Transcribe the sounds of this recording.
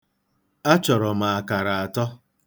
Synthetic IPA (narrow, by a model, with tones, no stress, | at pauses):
a˦t͡ʃɔ˨ɾɔ˨ma˨a˨ka˨ɾa˨a˨tɔ˦